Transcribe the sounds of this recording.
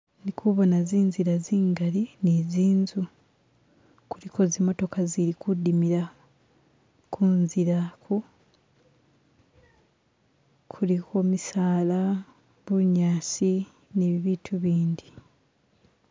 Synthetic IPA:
nikʰuβonaziːnziɾaziːŋɡalineːziːnzu | kuliko̞zimo̞to̞kaziɾikudimiɾa | kʰunziɾakʰu | kʰulikʰo̞misaːla | βuɲaːsi | neβiβiːtʰuβiːndi

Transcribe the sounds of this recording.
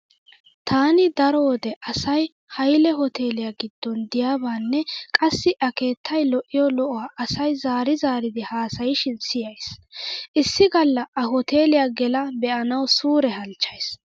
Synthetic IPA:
t̪ʰaːnɪd̪ɐɾo̞ːd̪ɛʔɐsɐj | hɐjlɛɦɔt̪ʰe̞ːlɪjaɡɪd̪̥ːɔnd̪ɪjaːbaːnːɛkʼɐsːɪʔɐke̞ːt̪ʰːɐjlɔʔːɪjɔlɔʔɔwaːʔɐsɐjzaːɾɪzaːɾɪd̪ɪhaːsɐjɪʃɪnsɪjɐjsʔɪsːɪɡɐlːɐʔɐɦɔt̪eːlɪjaːɡɛlɐbɛʔɐnɐwsuːɾɛhɐlt͡ʃːɐjs

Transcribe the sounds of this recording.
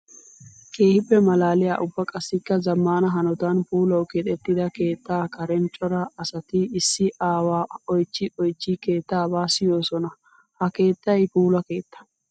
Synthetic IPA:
ke̞ːhɪpːɛmɐlaːlɪja̰ːʔʊbːɐkʼɐsːɪkːɐzɐmːaːnɐɦɐnɔt̪anpuːlɐwkɛt̪ɛt̪ːɪd̪ɐke̞ːt̪ːaːkɐɾɛnt͡ʃʼɔɾɐɐsɐt̪ɪɪsːɪʔaːwaːɔjt͡ʃːɪʔɔjt͡ʃːike̞ːt̪ːaːbaːsɪjo̞ːsɔnɐ | hɐke̞ːt̪ːɐjpuːlɐke̞ːt̪ːɐ̥

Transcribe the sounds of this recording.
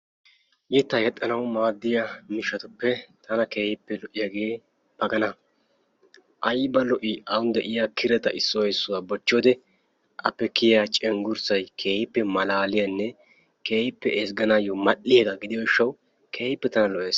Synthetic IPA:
jɛt̪ːɐjɛt̪ʼːɐnɐwmaːd̪ːɪjamɪʃɐt̪ʊpːɛt̪ʰɐnɐkeːhɪpːɛlɔʔɪjaɡeː | b̥ɐɡɐnɐ | ʔɐjbɐlɔʔɪʔɐwʊnd̪ɛʔɪjakʰɪɾɛt̪ɐʔɪsːɔwɛsːʊwabɔt͡ʃːɔːd̪ɛ | ʔɐpːɛkɪjat͡ʃʼɛŋɡʊɾsɐjkʰe̞ːhɪpːɛmɐlaːlɪjɐnːɛ | ke̞ːhɪpːɛesɡɐnajɔmɐʔːɪjeɡaɡɪd̪ɪjɔɪʃːɐw | kʰeːhɪpːɛt̪ɐnɐlɔʔeːs

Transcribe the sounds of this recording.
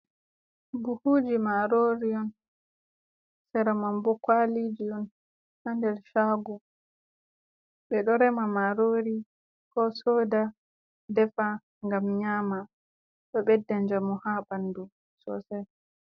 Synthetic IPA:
buhuːd͡ʒimaɾoɾiɔn | sɛɾamambɔkwalid͡ʒiɔn | handɛɾʃaːɡu | ɓɛɗɔɾɛmamaɾoːɾi | kɔsoːda | dɛfa | ŋɡamɲaːma | ɗɔɓɛdːaɲd͡ʒamɔhaɓandu | sɔ̰sɛ

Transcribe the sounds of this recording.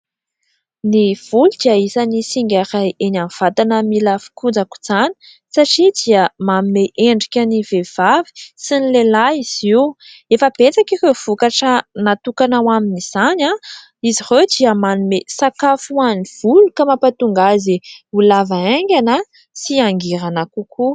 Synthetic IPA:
niv̥ulud̪iaisanisiŋɡʲaɾajʔenanv̥at̪anəmilafi̥kud͡zaku̥z̥ani̥ | saʈ͡ʂid̪iəmanumeʔeɳɖ͡ʐikʲənivev̥avi̥sinilelaiz̥iwefəb̥et͡sakirewv̥ukaʈ͡ʂənat̪ukanawaminiz̥ana | izired̪iəmanumesakafuaniv̥ulukamapat̪uŋɡaziulavaeŋɡʲana | siaŋɡiɾanakukʰu

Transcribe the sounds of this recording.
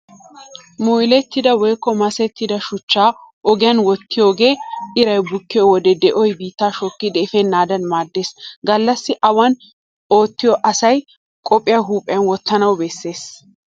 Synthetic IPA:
mujlɛt̪ːɪd̪ɐwɔjkːɔmɐsɛt̪ːɪd̪ɐʃʊt͡ʃːaːʔɔɡɪjɐnwɔt̪ːɪjo̞ːɡe̞ːɪɾɐjbʊkːɪjɔwɔd̪ɛd̪ɛʔɔjbiːt̪ːaːʃɔkːɪd̪ɛɪfɛnːaːd̪ɐnmaːd̪ːeːsɡɐlːɐsːɪʔɐwɐn | o̞ːt̪ːɪjɔʔɐsɐj | kʼɔpʼːɪjɐɦuːpʼɪjɐnwɔt̪ːɐnɐwbɛsːe̞ːs

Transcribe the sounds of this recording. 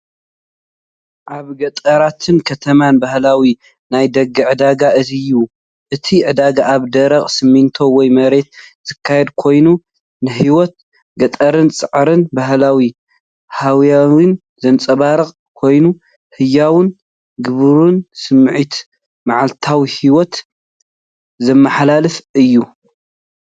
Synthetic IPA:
ʔaβɡɐt̪ʼɐɾat̪ʰɨnkʰɐt̪ʰɐmanbahlawi | najd̪ɐɡɨʕɨd̪aɡaʔɨzijːu | ʔɨt̪ʰiʕɨd̪aɡaʔːβd̪ɐɾɐχʼsɨmːint̪ʰo̞wɔjmɐɾe̞t̪z̥ɨkʰːajɛd̪kʰo̞jnu | nɨɦiwɔt̪̚ | ɡɐt̪ʼɐɾɨnt͡sʼɨʕɾɨnbaɦlawi | hawjawin | zɐnt͡sʼɐβaɾɨχʼ | kʰo̞jnu | hɨjːawɨn | ɡɨβɾunsɨmːʕit̪ | maʕalt̪ʰawihiwɔt̪ | zɐmːɐħalalɨfɨjːu

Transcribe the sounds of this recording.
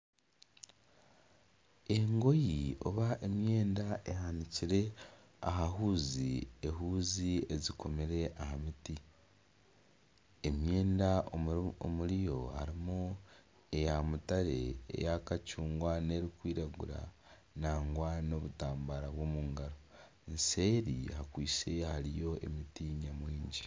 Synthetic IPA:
e̞ŋɡo̞jio̞̰βaʔemje̞ːndae̞ɦaniciɾe̞ | a̰ɦaɦuːzḭe̞ɦuːziezikʰo̞meɾe̞ʔahamiti | emje̞ːndao̰muɾijo̞haɾimu | e̞jamutaɾe̞ḛjakacuːŋɡwane̞ɾikwiːɾaɡuɾa̰ | naːŋɡwano̞βutaːmbaɾaβwo̞muːŋɡaɾo | nse̞ɾḭhakwiːse̞haɾijo̞ḛmitiɲamwiːɲɟi

